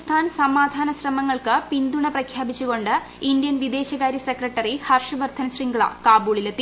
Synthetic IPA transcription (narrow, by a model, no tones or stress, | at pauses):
st̪ʰaːnsɐmaːd̪ʱaːnɐɕrɐmɐŋːɐɭkɨpind̪uɳɐprɐkʰjaːbit͡ɕːuɣo̞ɳɖɨ | ind̪jɐnʋid̪e̞ːɕɐɣaːɾjɐsekrɐʈːɐrihɐrʂɐʋɐrt̪ʰɐnsriŋɡuɭɐ̰kaːbuːɭilet̪ːi